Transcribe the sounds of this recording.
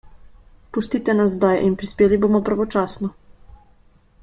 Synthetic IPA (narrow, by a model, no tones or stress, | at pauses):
pust̪iːt̪ɛnazzd̪ajʔinpɾispeːliboːmɔpɾaʋɔt͡ʃaːsnɔ